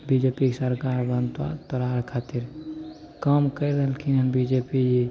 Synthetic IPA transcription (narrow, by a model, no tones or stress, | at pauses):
bid͡ʒepiksəɾkaɾbənt̪a̰pəɾaɾkʰat̪iɾ | kəmkəjɾəɦəlkʰinənbid͡ʒepid͡ʒi